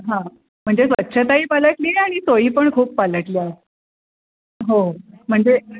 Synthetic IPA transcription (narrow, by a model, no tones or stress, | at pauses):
ɦã | m̤əɳd͡zesʋətːɕʰət̪aiːpaləʈliːnaɽ̃isojiːpəɳkʰuːpːaləʈlia | ɦo | m̤əɳd͡ze